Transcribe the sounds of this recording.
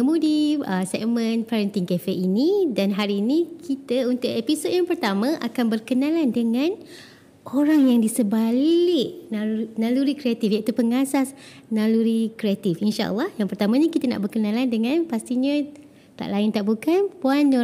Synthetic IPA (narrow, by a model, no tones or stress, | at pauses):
əmũdiəsɛ̰kmə̃npaɾənt̪iŋkefeʔinidanɦaɾiːnikʰit̪əunt̪ʊʔepisod̚jaŋpərt̪amãʔa̰kanbərkənalandəŋãn | ʔoɾaŋjaŋdisəbalɪʔnanaluɾikɾiat̪ifjait̪upəŋasasnaluɾikɾiat̪ifinʃa̰ʔə̰lːɑhjaŋpərt̪amãɲakit̪ana̰ʔbərkənãlandəŋãnpast̪iɲã | t̪a̰ʔlaɪnt̪aʔbukanpuan